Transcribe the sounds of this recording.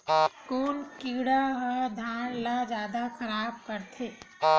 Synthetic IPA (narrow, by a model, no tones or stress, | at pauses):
koːnkiːɽaɦəd̪ʱaːnlad͡ʒjaːd̪akʰɐɾaːb̚kɐɾt̪ʰeː